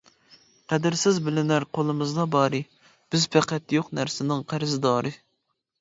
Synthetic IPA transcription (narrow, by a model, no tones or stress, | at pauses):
qæd̪ɪɾsɪzbɪlɪnæɾqʰolˠɨmɨzd̪ɑbɑːɾɨ | b̥ɪzpʰæqɛt̪joqnæɾsɪnɪŋqʰæɾɪzd̪ɑːɾɨ